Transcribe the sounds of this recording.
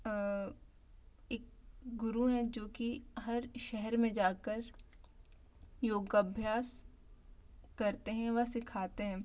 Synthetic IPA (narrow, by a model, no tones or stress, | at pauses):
eːk̚ɡʊɾuɦɛ̃d͡ʒoːkiɦɐɾʃɛɦɛɾmẽd͡ʒaːkəɾ | joːɡɐbʱjaːs | kɐɾt̪eɦɛ̃ʋɐsɪkʰaːt̪eɦɛ̃ː